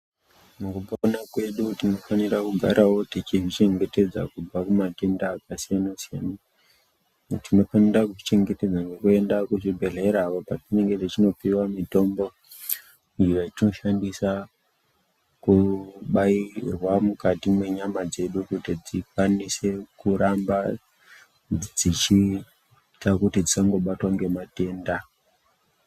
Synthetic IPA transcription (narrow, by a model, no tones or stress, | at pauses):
mukupanakwe̞ɗutino̞fanirakuɡʱa̰ɾawo̞tit͡ʃiʐit͡ʃe̞ŋɡe̞te̞d͡za̰kub͡vakumate̞ndaːkasijanasijana | tino̞fanirakuʐit͡ʃe̞ŋɡe̞te̞d͡zane̞kue̞ndakuʐibʱe̞ɮe̞ɾaʋopatine̞ŋɡe̞tit͡ʃino̞piwamito̞mbo̞ | iʋait͡ʃino̞ʃandisa | kuɓairwamukatimwe̞ɲamad͡ze̞ɗukutid͡zikwanise̞kuɾamba | d͡zit͡ʃi | takutid͡zit͡ʃaŋɡo̞ɓatwaŋɡe̞mate̞ːnda